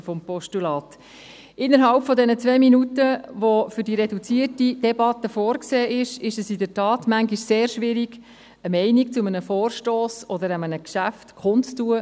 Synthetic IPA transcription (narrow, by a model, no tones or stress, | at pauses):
fɔmpɔʃtulɑːt | ɪnːəɾɦɑlpfɔdɛnət͡sʋeminutəʋofʏɾdiɾɛdut͡siːətid̥ɛbɑt̪əfoːɾkseːʔɪʃɪʃəsɪdətɑːtmæŋɡiʃseːɾʃʋɪɾiɡ | əmɛɪnikt͡sʊmənəfoːrʃtoːsɔd̪əɾɛmənəkʃæftkʰʊntt͡stuə